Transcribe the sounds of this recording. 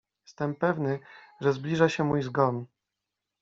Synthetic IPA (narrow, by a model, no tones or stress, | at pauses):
jɛst̪ɛmpɛvnɘʐɛzblʲiʐaɕɛmujzɡɔn